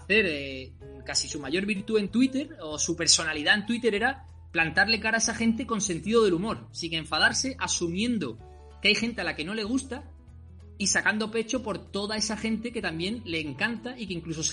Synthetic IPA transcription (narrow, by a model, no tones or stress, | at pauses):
θe̞ɾe | kasisumaʝo̞ɾβiɾt̪ue̞nt̪wit̪e̞ɾo̞supe̞ɾso̞naliðae̞nt̪wit̪e̞ɾe̞ɾa | plant̪aɾle̞kaɾae̞saxe̞nt̪e̞ko̞nse̞nt̪iðo̞ð̞e̞lumo̞ɾsiŋe̞ɱfað̞aɾse̞ʔasumjẽ̞nd̪o̞ | keajxe̞nt̪e̞alake̞no̞le̞ɣ̞ust̪a | isakand̪o̞pe̞t͡ʃo̞po̞ɾt̪o̞ðae̞saxe̞nt̪e̞ke̞t̪ambjẽ̞nle̞ːŋkant̪aʔike̞iŋkluso̞s